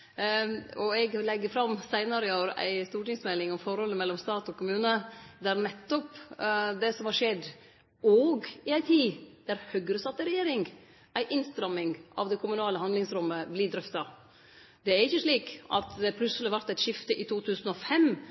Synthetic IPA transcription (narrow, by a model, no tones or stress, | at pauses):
ɔɛɡlɛɡːəfɾɑmsæɪnɑɾɪoːɾæ̰ɪst̪uːʈɪŋsmɛlːɪŋɔmfɔɾhɔlːəmɛlːɔmst̪ɑːt̪ɔkʊmʉːnəd̪æɾnɛt̪ːɔpd̪ɛsɔmhɑʂɛd̪ | ɔɡɪæɪt̪ʰiːd̪̥æɾhœɡɾəsɑt̪̚ːɛɾɛjeːɾɪŋɡ | ʔæɪʔɪnst̪ɾɑmːɪŋʔɑ̰ʋd̪ɛkʰʊmʉnɑːləhɑnd̪lɪŋsɾɔmːəblɪd̪ɾœft̪ɑ | d̪̥ɛæɾɪçəʂɭiːkɑ̰t̪d̪ɛpʰlʉsəlɪʋɑɾt̪æɪt̪ʂɪft̪əʔɪt̪uːt̪ʰʉːsən̩ɔfɛm